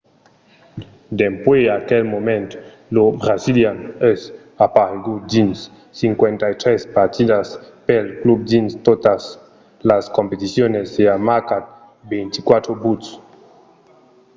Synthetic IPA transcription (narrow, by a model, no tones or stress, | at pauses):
d̪empweakelmomẽnt̪ | lobɾaziljanɛs | apaɾeɡud̪insː | iŋkwent̪ajt̪ɾespaɾt̪id̪aspelklub̚d̪inst̪ot̪as | laskompet̪isjoneseamakat̪̚ | bejnt̪i̥kwat̪ɾobut̪s